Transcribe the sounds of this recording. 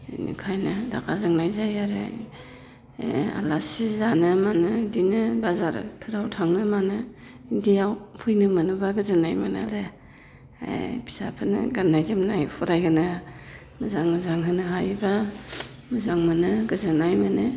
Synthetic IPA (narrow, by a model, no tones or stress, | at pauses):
nṵkʰajnɯda̰kʰazɯŋnajzajaɾḛ | a̰lasizanɯmanɯdinɯbazaɾtʰɯɾawtʰaŋnɯmanɯ | indijawpʰɯjnɯmɯnɯbaɡɯzɯnajmɯna̰ɾe | a̰bʰi̥sa̰pʰɯnɯ̰ɡanːajzɯmnajpʰɔɾajɡɯnɯ | mɯzaŋmɯzaŋɦɯnɯɦajba | mɯzaŋmɯnɯɡɯzɯnajmɯnɯ